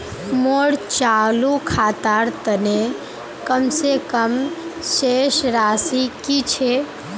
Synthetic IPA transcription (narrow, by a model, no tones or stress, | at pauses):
moːɽt͡ʃaːlukʰaːt̪aːɾt̪əne | kəmsekəmʃeːʃɾaːsikit͡ʃʰe